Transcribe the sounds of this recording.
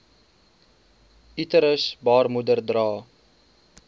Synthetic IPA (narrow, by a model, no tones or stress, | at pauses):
itəɾəsbɑːrmudərdrɑː